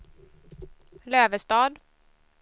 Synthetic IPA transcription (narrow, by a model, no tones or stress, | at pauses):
løːvəst̪ɑːd̪